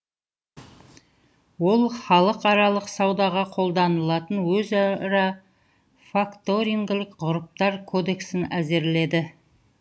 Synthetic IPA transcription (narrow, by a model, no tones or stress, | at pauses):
wo̞lˠχɑlˠəqɑɾɑlˠəqsɑwd̪ɑʁɑqʰo̞lˠd̪ɑnəlˠɑt̪ənwɵzɑɾɑ | fakt̪o̞ɾiŋɡʲɪlɪkqʊɾəp̚t̪ɑɾkʰo̞d̪e̞ksɪnæze̞ɾle̞d̪ɪ